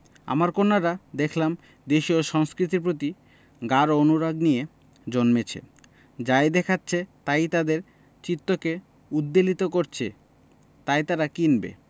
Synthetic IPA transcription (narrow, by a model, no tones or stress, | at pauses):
a̰maɾkonːaɾad̪ekʰlam | d̪eʃioʃɔŋskɾit̪̬iɾp̬ɾot̪i | ɡaɾoonuɾaɡnije | d͡ʑonmet͡ɕʰḛ | d͡ʑaed̪ɛkʰatːɕʰet̪ajt̪ad̪eɾ | t͡ɕit̪ːoke | ud̪ːelit̪okoɾt͡ɕʰe | t̪ajt̪aɾakinbḛ